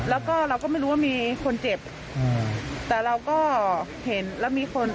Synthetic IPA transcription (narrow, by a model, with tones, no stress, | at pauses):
lɛː˦˥wkɔː˥˩ɾa˧wkɔː˥˩ma˥˩jɾu˦˥waː˥˩miː˧kʰo˧nt͡ɕe˨˩p̚ː | t̪ɛː˨˩ɾa˧wkɔː˥˩ | he˩˦nlɛː˦˥˩wmiː˧kʰo˧n